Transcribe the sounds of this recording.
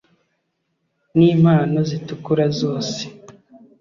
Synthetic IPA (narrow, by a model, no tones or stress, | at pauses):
niːm̥haːno̞zitukuɾazo̞ːse̥